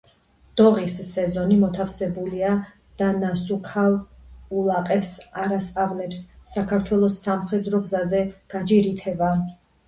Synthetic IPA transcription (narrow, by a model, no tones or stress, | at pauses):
d̪̥ɔʁisːɛzɔnimɔt̪ʰafsɛbulia | d̪̥anasukʰalulˠaqʼɛpsaɾasʼaʁlɛpsːakʰaɾt̪ʰwɛlˠɔsːamχɾɛd̪ɾɔɡzazɛɡ̥ad͡ʒiɾit̪ʰɛba